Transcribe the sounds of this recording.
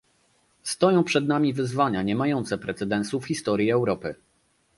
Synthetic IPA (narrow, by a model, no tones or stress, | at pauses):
st̪ɔjɔ̃w̃pʂɛd̪namʲivɘzvaɲaɲɛmajɔnt̪sɛpɾɛt̪sɛd̪ɛ̃nsufxʲist̪ɔɾʲjiɛwɾɔpɘ